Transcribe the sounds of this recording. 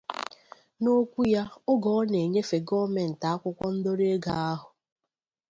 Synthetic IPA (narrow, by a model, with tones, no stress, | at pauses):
no˦kʷu˦ja˦ʊ˦ɡɔ˨˦ne˨ɲe˦fe˨ɡɔ˦me˨n̩˨ta˨a˦kʷʊ˦kʷɔ˦n̩˦do˦ɾe˦ɡa˨a˦ɦʊ˨